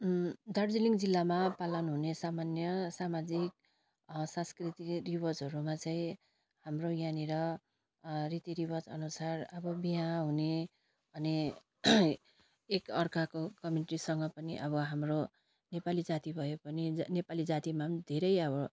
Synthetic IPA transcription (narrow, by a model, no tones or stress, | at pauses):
d̪ʱʌɽd͡ziliŋd͡zilːamapalʌnɦunesamanjʌsamad͡zik̚ | sãnskrit̪iribʌrd͡zɦʌɾumat͡saĩ | hamrojaneɾʌ | rit̪iɾibʌd͡zʌ̰nusarʌbʌbiɦanɦune | ʌne | ekʌrkakokʌmjuniʈisʌŋɡʌpʌniʔʌβʌɦamro | nepalid͡zat̪ibʱʌjepʌninepalid͡zat̪imad̪ʱeɾʌjʌβʌ